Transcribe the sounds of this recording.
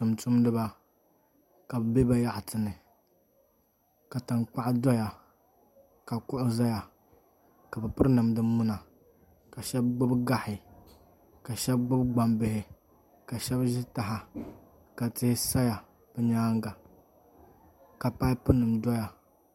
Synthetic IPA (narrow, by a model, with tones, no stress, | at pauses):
tɨ˨mtʊ˦mdɨ˦ba˦ | ka˨bbe˦ba˦ja˦ʔtʰɨ˨nɨ˨ | ka˨tɨ˨ŋk͡pa˦ʔdɔ˦ja˨ | ka˨kʊ˦ʔʊ˦za˦ja˨ | ka˨bɨ˨pɨ˦ɾnɨ˨mdɨ˦mːʊ˦na˨ | ka˨ʃɛ˦b̚ɡ͡bʊ˦bɡa˦hɪ˨ | ka˨ʃɛ˦b̚ɡ͡bʊ˦bɡ͡ba˦mbɪ˦hɪ˨ | ka˨ʃɛ˦bʒɪ˦ta˨ɦa˨ | ka˨tɪ˦hɪ˦sa˦ja˨ | b̥ɨ˦ɲaː˦ŋɡa˨ | ka˨pa˦jpɨ˦nɨ˨mdɔ˦ja˨